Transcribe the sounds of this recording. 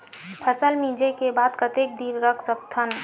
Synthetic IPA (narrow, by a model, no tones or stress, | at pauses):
pʰəsəlmid͡ʒekebad̪kət̪ek̚d̪iɾɾəkʰsək̚t̪ʰən